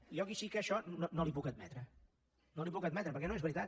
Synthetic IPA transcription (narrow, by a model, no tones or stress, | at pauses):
iɔkiʃikəːʃɔnonolipukəd̪mɛt̪ɾə | nolipukəd̪̚mɛt̪ɾəpəɾkɛnoezβəɾit̪at̪